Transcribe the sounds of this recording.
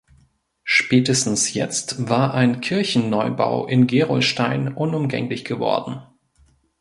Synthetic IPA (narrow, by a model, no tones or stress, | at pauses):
ʃpɛːtəstn̩sjɛ̰t͡stv̥aːɐʔaɪnkʰɪɐçn̩nɔʏba̰ʊʔɪnɡeːʁɔ̰lʃtaɪnʔʊnʊmɡɛ̰ŋlɪçɡ̥əvɔ̰ɐdn̩